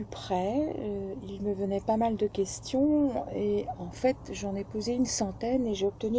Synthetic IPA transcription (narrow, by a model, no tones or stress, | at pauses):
ypχɛøilməvənɛpamald̪əkʲɛst̪jɔ̃eɑ̃fɛt̪ʒɑ̃nɛpozeynsɑ̃t̪ɛneʒeɔp̚t̪əny